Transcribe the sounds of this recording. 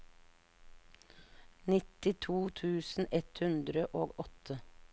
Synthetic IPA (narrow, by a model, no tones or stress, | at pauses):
nɪt̪ɪt̪ʰuːt̪ʰʉːsn̩ɛt̪hʉnd̪ɾəʔoːɡɔt̪ʰə